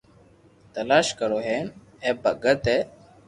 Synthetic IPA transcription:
t̪əlaːʃkəɾoːɦeːn | eːbəɡət̪eː

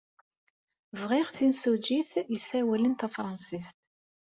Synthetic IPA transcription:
vʁiʁθinsud͡ʒiθjəsæwælənt̪æfɾˤɑnsist̪

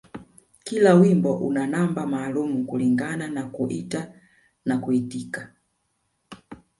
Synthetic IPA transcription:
kilawimbɔʔunanambamaːlumukuliŋɡananakuʔita | nakuitika

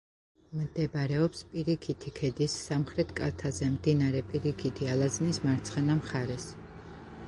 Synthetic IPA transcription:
md̪̥ɛbɾɛɔpspʼiɾikʰit̪ʰikʰɛd̪isːamχɾɛt̪ʰkʼaɾt̪ʰazɛmd̪inaɾɛpʼiɾikʰit̪ʰialˠaznismaɾt̪sʰχɛnamχaɾɛs

